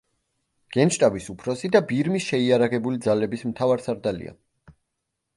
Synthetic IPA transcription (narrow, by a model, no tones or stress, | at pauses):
ɡ̥ɛnʃt̪ʼavisupʰɾɔsid̪abiɾmisʃɛiaɾaʁɛbulid̪zalɛbismt̪ʰavaɾsaɾd̪alḭa̰